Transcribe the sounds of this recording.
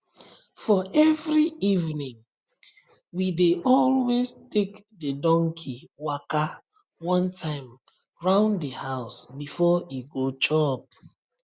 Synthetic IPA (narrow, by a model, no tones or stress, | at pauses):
fɔʔɛvɹiivnĩŋ | wideʔɔlwestekdədɔ̃ŋkʰiwaka | wɔ̃ntʰãɪ̃m | ɹãʊ̃nddəhaʊsbifɔiɡot͡ʃɔp̚